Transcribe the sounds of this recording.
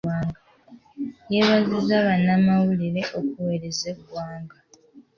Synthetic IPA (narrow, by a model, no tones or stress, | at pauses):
aːŋɡa | jeβazizaβanːamawuliɾe̞ʔo̞kuwe̞ɾezekwaːŋɡa